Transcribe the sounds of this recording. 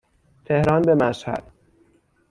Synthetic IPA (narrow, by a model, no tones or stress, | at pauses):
t̪ʰe̞hɾɒːnbemæshæ̰d̪̥̚